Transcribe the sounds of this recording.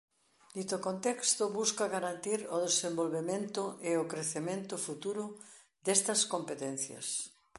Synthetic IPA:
d̪it̪okont̪ɛkst̪ʊβuskɐɣaɾant̪iɾʊðesembolβemẽnt̪ʊʔeokɾeθemẽnt̪ʊfut̪uɾʊ | d̪ɛst̪ɐskompet̪ɛn̟θjɐ̰s

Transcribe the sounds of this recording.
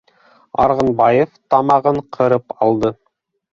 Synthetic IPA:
ɑ̰ɾʁɤ̆nbɑjeft̪ɑmɑʁɤɴqʰɤ̆ɾɤpɑlˠd̪ɤ

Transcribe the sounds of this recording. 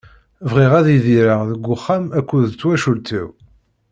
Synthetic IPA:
vʁiʁæðiðiɾəʁðəɡʷːʊχːæmækʷːuðt͡sːwæʃult̪iw

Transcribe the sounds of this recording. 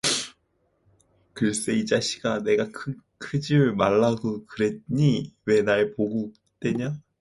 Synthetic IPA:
kɯɾes͈eid͡ʑaɕʰi̥ɡ̥ane̞ɡakʰɯ | kʰɯd͡ʑiɯɭmaɭːaɡokɯɾe̞t̚ɲiwe̞naɭpoɡuk̚ | t͈we̞ɲa

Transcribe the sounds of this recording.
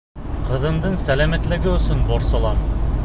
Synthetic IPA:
qɤ̆ðɤ̆md̪ɤɴsælæmæt̪lɘɡɘɵ̆sɵnbɒɾsɒlˠɑm

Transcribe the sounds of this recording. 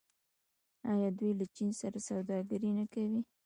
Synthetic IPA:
ɑjɑd̪ujlat͡ʃinsaɾasawd̪ɑɡəɾinakawi

